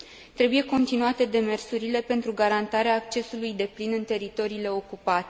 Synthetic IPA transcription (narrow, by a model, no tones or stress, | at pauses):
t̪ɾe̞buje̞ko̞nt̪inuat̪e̞d̪e̞me̞rsuɾile̞pe̞nt̪ɾuɡaɾant̪aɾeaːk̚t͡ʃe̞sulujd̪e̞plinɨnt̪e̞ɾit̪o̞ɾiːle̞o̞kupat̪e̥